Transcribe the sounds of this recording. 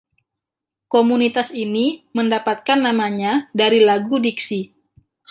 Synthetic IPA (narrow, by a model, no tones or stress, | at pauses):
komunit̪asiniməndapat̪̚kanːamaɲadaɾilaɡudiksi